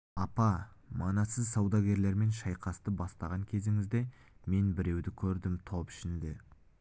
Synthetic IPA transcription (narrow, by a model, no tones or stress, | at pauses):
ɑpɑmɑnɑsəzsɑwd̪ɑɡʲe̞ɾle̞ɾme̞nʃɑjqɑst̪əbɑst̪ɑʁɑŋkʲʰe̞zɪŋɪzd̪e̞me̞nbɪɾe̞wd̪ɪkʲʰɵɾd̪ɪmt̪ʰo̞pɪ̥ʃɪnd̪ɪ